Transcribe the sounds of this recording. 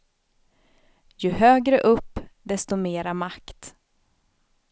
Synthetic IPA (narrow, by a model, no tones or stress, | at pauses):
jɵhøːɡɾəʔɵpːd̪ɛst̪ʊmeːɾamakt̪